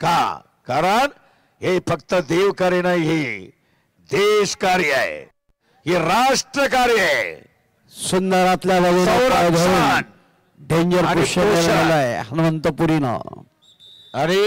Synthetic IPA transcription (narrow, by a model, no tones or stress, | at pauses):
ka | kaɾəɳ | ɦefəkt̪əd̪eʋkəɾenajɦi | d̪eʃkaɾjəḛ | ɦiɾaʂʈɾəkaɾjəḛ | sund̪əɾat̪ljaʋəɡeaɾad̪ʱouan | ɖeɲd͡ʑəɾpuʃjəeɾnalaeɦənumənt̪əpuɾinə̰ | añi